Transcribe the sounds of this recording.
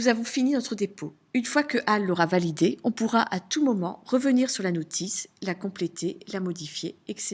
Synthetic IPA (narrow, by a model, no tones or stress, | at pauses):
nuzavɔ̃fininɔt̪χəd̪epo | ynfwakəʔalːɔʁavalid̪eɔ̃puʁaʔat̪umɔmɑ̰̃ʁəvəniʁsyʁlanot̪ʰislakɔ̃plet̪elamɔd̪ifjeɛks